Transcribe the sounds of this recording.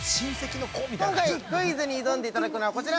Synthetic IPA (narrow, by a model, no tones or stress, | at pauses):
ɕĩɰ̃se̞kʲino̞koːbʲikõŋkaiɯkːoiːzeɲ̟iːd̪õnd̪e̞it̪ad̪akɯ̟noβako̞t͡ɕiɾa